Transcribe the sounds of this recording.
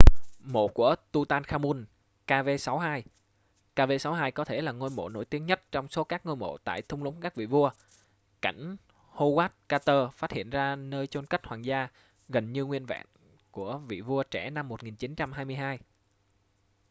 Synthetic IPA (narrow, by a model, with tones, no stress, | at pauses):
mo̰˧˨ku˧˩ət̪u˧t̪aː˧nxaː˧mu˧n | kaː˧ve˧sa˨˦wɦaː˧j | kaː˧ve˧sa˨˦wɦaː˧jkɔ˨˦t̪ʰe˧˩laː˨˩ŋo˧jmo̰˧˨no̰˧˥˩jt̪i˨˦əŋɲə˦˥t̚t͡ɕɔ˧wŋ͡mso˨˦kaː˦˥k̚ŋo˧jmo̰˧˨t̪a̰ː˧˨jt̪ʰʊ˧wŋ͡mlə˨˦ŋ͡mkaː˦˥k̚vḭ˧˨vu˧ə | ka̰˧˩jŋ̟ | ho˧ɣwaː˦˥t̚kaː˧t̪əː˧faː˦˥t̚hḭ˧˨ənzaː˧nəː˧jt͡ɕo˧nka˦˥k̟̚hwaː˨˩nzaː˧ | ɣə˨˩nɲɨ˧ŋwi˧ənva̰ː˧˨n | ku˧˩əvḭ˧˨vu˧ət͡ɕɛ˧˩na˧mːo˨˩t̚ŋi˨˩nt͡ɕi˨˦nt͡ɕa˧mɦaː˧jmɨ˧əjɦaː˧j